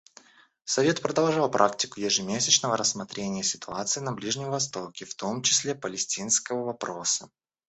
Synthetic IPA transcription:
sɐvʲe̞t̪pɾəd̪ɐlˠʐɑlˠpɾʔaktʲɪkʊjɪʐɨmʲesʲɪt͡ɕnəvəɾəsmɐt̪ɾʲenʲɪjəsʲɪ̥t̪ʊat̪sɨɪːnɐblʲiʐnʲɪmvɐst̪o̞kʲɪft̪o̞mt͡ɕɪ̥sʲlʲe̞pəlʲɪsʲtʲinskəvəvɐpɾo̞sə

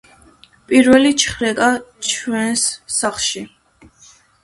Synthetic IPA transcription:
pʼiɾvɛlit͡ʃʰχɾɛkʼat͡ʃʰwɛnsːaχʃi

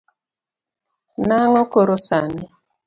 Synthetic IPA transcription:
naŋɔkoɾosanɪ

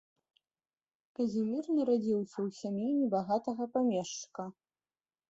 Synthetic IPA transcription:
kɐzʲimʲirnɐɾad͡zʲiwsʲɐwsʲamjunʲɛbaɣat̪ɐɣɐpamʲɛʂt͡ʂɨ̥kɐ

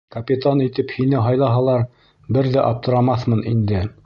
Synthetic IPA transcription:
kɐpʲit̪anit̪ɘphinɘɦɑjlˠɑɦɑlˠɑɾ | bɘɾðæʔɑp̚t̪ɤ̆ɾɑmɑθmɤnind̪ɘ

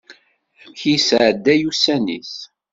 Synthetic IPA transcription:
θəmçisʕd̪ːæjusænis

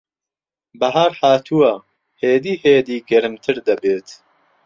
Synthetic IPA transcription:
bɐɦaːɾhaːt̪ʰuwa | heːd̪iːheːd̪iːɡɐɾɨmt̪ʰɨɾd̪ɐbeːt̪

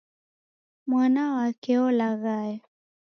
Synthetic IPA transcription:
monawakeolaɣaj

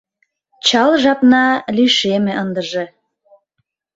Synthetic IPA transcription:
t͡ɕɑlʒɑpnɑliʃemĕʔənd̪əʒe

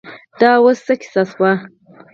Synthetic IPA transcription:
d̪̥ɑwəsːəki̥saswa

